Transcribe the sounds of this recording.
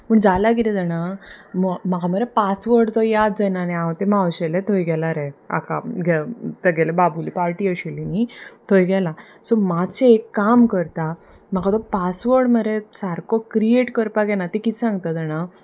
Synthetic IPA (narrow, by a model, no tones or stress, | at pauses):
pəɳd͡zalaɡit̪id͡zəɽ̃ammaɡaməɾepasʋəɾɖt̪ɔjad̪d͡zɛnaneat̪emawɕɛlet̪ʰojɡɛlaɾea̰ka̰ɡʱɛt̪əɡɛlebabulḭpaɾʈiːəɕilinit̪ʰojɡɛla | sɔmat͡ɕeekːamkəɾt̪a | maɡat̪ɔpasʋəɾɽməɾesaɾkʰokɾieʈkəɾpaɡɛnat̪ikisãŋɡt̪ad͡zəɽ̃a